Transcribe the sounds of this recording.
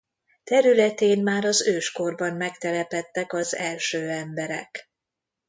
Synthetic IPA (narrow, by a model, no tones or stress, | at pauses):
t̪ɛɾylɛt̪eːnmaːɾɒzøːʃko̞rbɒmmɛkt̪ɛlɛpɛt̪ːɛkɒzɛlʃøːɛmbɛɾɛ̰k